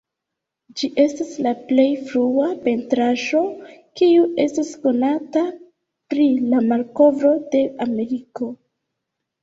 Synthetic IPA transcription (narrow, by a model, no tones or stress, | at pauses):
d͡ʒiʔe̞staslaple̞jfɾuape̞ntɾaʒo̞kiuʔe̞stasko̞nata | pɾilamalko̞vɾo̞de̞ame̞ɾiko̞